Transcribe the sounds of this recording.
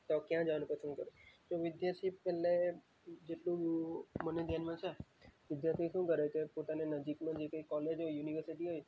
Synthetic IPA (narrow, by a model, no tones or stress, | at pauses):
t̪okjãd͡ʒəʋanũpəsʰũkəɾũd͡ʒoʋɪd̪jaɾt̪ʰipɛlːe | d͡ʒeʈlũməned̪ʱjanmãt͡ʃʰeʋɪd̪jaɾt̪ʰiʃũkəɾek̪epot̪anenəd͡ʒikmãd͡ʒekəikːɔled͡ʒojuniʋəɾsiʈiɦoj